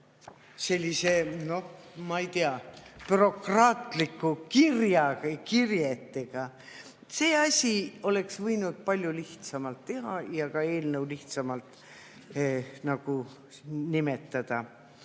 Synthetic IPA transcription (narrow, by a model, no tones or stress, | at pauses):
se̞lʲːise̞no̞h | mɑit̪iɑpyɾo̞krɑːt̪ˑlikːˑukirjɑkirjet̪ːe̞ɡ̥ɑ | se̞ːɑsʲio̞le̞ksvɤjnud̪̥̚pɑlʲjuliht̪sɑmɑlt̪ːe̞ɦɑjɑkɑe̞ːlnəwliht̪sɑmɑlt̪ | nɑɡ̥u | nime̞t̪ːɑd̪̥ɑ